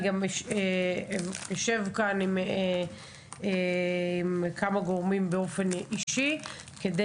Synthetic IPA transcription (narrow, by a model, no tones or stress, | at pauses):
ɡamʃe | joʃe̞vkanime | imkamaɡo̞ʁmimbeo̞fe̞niʃi | kede